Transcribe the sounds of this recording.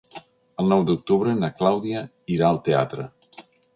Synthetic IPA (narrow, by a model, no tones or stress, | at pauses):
əlˠnɔwd̪uk̚t̪uβɾənəklawðiə | iɾaəlˠt̪ea̰t̪ɾə